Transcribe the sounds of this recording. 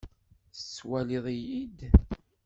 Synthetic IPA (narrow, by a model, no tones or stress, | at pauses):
θət͡sːwæliðˤijid̪